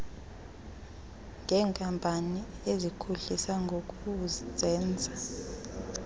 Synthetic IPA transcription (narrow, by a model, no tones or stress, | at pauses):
ŋʱɛːŋkʼampʼaniezikʰuɬisaŋɡʱokʼuzɛːnd͡zʱa